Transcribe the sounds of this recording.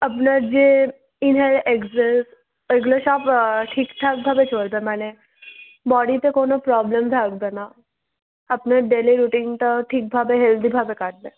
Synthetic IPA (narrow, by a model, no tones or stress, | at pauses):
ɐpnad͡ʒe | ɪnɦelekzes | eɡloʃaːpʈʰiːkt̪ʰak̚bʱaːbet͡ʃʰoːɽd̪ẽmɛːne | bɔːɽit̪ekoːnopɾɔːbləmd̪ʱaːɡ̚d̪ena | ɐpneɖeliɾuːʈɪ̃ŋt̪oʈʰiːk̚bʱaːbeɦeld̪ibʱaːbekaʈ̚ʰd̪ẽː